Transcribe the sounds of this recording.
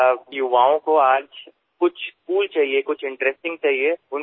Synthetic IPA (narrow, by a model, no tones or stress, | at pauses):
jʊʋaːõkoaːd͡ʒ | kʊt͡ʃʰskuːlt͡ʃaːɦiekʊt͡ʃʰɪ̃ɳʈɾesʈɪ̃ŋɡ̚t͡ʃaːɦieʊn